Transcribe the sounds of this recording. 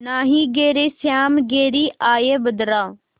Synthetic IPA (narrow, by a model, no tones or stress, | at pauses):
naːɦiːɡeːɾeːsjaːmɡeːɾiːʔaːjeːbəd̪ɾaː